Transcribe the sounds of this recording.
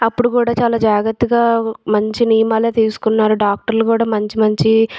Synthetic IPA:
ɐpːuɽukuːɽaːt͡ʃaːlaːd͡ʒaːɡɐt̪ːiɡaːmɐɲt͡ʃinijmaːleːt̪iːsu̥kunːaːɾuɖaːk̚ʈɐɾlukuːɽaːmɐɲt͡ʃimɐɲt͡ʃi

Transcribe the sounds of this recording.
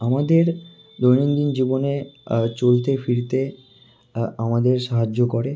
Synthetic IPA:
amad̪eɾ | d̪ojnind̪ind͡ʑibonet͡ɕolt̪efiɾt̪e | amad̪eɾʃaɦad͡ʑːokoɾe

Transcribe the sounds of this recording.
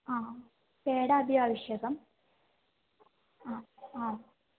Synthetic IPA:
aː | peːɽaːbʱjaːʋiɕjɐɣɐm | aaː

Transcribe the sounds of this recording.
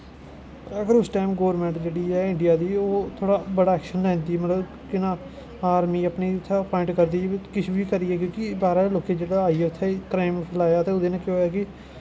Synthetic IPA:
əɡəɾʊsʈaːmɡoːʋɾmɛ̃ːɳʈd͡ʒeːɽiːɛːɪ̃ɳɖɪjaːd̪iːoːt̪ʰoːɽaːbəɽaːɛːkʃənlɛ̃ːnd̪iːmət̪ləb | kɪnãː | aːɾmiːəpniːʊt̪ʰːeːpɔːɪ̃ɳʈkəɾd̪iːkɪt͡ʃʰbiːkəɾiːɛːkjõːkɪbaːɾaːloːkẽːd͡ʒeːɽaaːiːɛːʊt̪ʰːekɾaːɪmpʰəlaːjaːt̪eːʊd̪eːnãːkjoːjaːkɪ

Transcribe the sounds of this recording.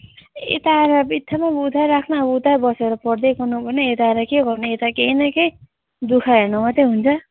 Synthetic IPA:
ḛt̪aɾabit̪ʰːamabud̪ʱajɾakʰnabud̪ʱajbʌseɾʌpʌrd̪ekʌnubʌneet̪aɾakeɡʌrneet̪akeinʌkej | d̪ukʰaɦernʌmat̪eɦunt͡sʰʌ

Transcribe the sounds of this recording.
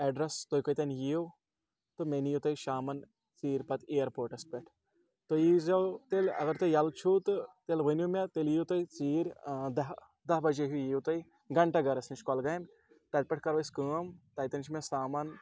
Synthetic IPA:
ɛɖɾɐst̪oːjkojt̪ɐnjiw | t̪ɨmenjut̪ojʃaːmɐn | t͡siːɾʲpɐt̪eɐɾpoːʈɐspʲɛʈʰ | t̪ojizɐwt̪elɐ̰ɡɐɾt̪ojɐlt͡ʃʰut̪ɨt̪elʋɨnjumʲet̪eljiut̪oit͡siːɾʲd̪ɐ | d̪ɐɦbɐd͡ʒeɦujiːt̪ɐi | ɡɐɳʈɐɡɐɾɐsniʃkɔlɡɐjm | t̪ɐʈ̚pʲɐʈʰkɐɾʋɐskəːmt̪ɐːjt̪ɐnt͡ʃʰimʲesaːmɐn

